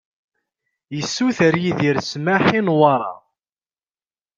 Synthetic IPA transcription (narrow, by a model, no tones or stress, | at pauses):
jəsːuθəɾjiðiɾsmaħinwɑɾˤɑ̰